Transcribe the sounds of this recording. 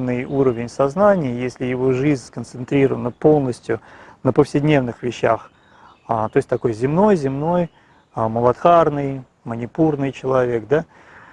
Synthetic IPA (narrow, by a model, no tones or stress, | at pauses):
nːɨjuɾəvʲɪnʲsɐznanʲɪjəjesʲlʲɪjɪvo̞ʐɨzʲnʲskənt̪sɨnt̪ɾʲiɾəvənːəpo̞lˠnəsʲtʲjʊnəpəfsʲɪdʲnʲe̞vnɨxvʲɪɕːa̰x | at̪o̞ɪsʲt̪ɐko̞jzʲɪmno̞jzʲɪmno̞j | məlˠɐt̪xarnɨj | mənʲɪpurnɨjt͡ɕɪlˠɐvʲe̞k̚d̪a